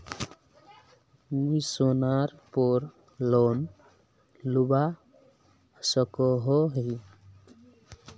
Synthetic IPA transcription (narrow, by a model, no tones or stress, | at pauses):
mujsonaɾpɔɾ | lɔn | luba | sɔkɔɦɔɦi